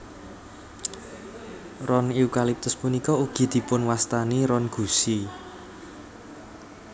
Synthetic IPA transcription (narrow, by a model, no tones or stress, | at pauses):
rɔniukalip̚t̪ʊspunikɔuɡ̥i̤d̪̥i̤pʊnwast̪aniɾɔnɡ̥ṳsi